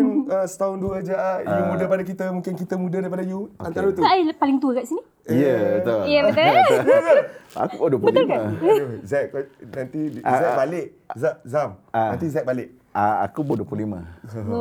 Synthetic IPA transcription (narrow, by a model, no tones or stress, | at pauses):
nəsə̥t̪aʊnduad͡ʒaʔijumudapadak̬it̪əmũŋkɪnkit̪əmũdadaɾipadajuanaɾait̪uajpalɪŋt̪uəkaʔsini | jəbət̪ojəbət̪əjəjəa̰kubaduəpbəlmazɛk̚nant̪iɛʔ̚balɪʔ | zazamnant̪izɛk̚balɪʔ | aa̰kuboduəplulima̰